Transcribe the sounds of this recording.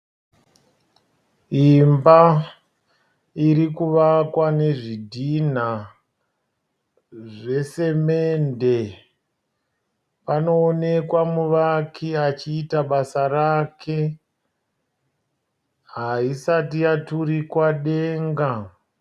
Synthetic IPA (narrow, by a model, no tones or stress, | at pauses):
imba | iɾikuʋakwane̞ʐidʱin̤a | ʐe̞se̞me̞nde̞ | pano̞ːne̞kwamuʋakʰiat͡ʃiːtaɓasarakʰe̞ | ɦaisatijatuɾikwaɗe̞ːŋɡa